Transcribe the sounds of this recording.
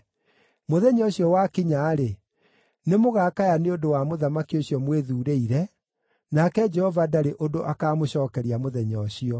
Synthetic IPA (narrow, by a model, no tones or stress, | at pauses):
moðɛɲɔɕiɔwakiɲaːɾe | nemoɣaːkajaneodowamoðamakioɕjɔmweðuːɾeiɾɛ | nakɛd͡ʒɛhɔvadaɾeʔodoʔakaːmoɕɔːkɛɾiamoðɛɲɔɕiɔ